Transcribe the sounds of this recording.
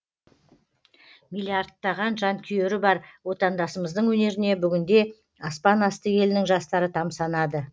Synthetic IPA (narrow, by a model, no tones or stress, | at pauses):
milʲːiart̪ːɑʁɑnʒɑnt̪ʲʰʏjeɾɪbɑɾwo̞t̪ɑnd̪ɑsəməzd̪əɴwɵne̞ɾɪne̞bʏɡʲɪnd̪e̞ | ɑspɑnɑst̪əjʲe̞lɪnɪŋʒɑst̪ɑɾət̪ʰɑmsɑnɑd̪ə